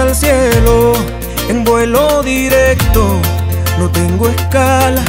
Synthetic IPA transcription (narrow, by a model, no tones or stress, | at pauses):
alsjelo | eŋbwe̞lo̞ðiɾek̚t̪ono̞t̪e̞ŋɡoeskala